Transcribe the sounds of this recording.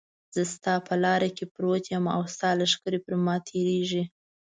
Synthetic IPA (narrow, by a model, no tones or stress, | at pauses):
z̥əst̪ɑpəlɑɾakepɾot̪jəma̰wst̪ɑlaʃkəɾepəɾmɑt̪ʰeɾeʒi